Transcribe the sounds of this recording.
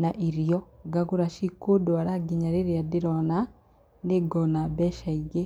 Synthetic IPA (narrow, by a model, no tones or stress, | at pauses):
naʔiɾjɔɡaɡuɾaʃikodwaɾaɡiɲaɾeɾeadiɾɔna | neɡɔnabɛʃaiɡe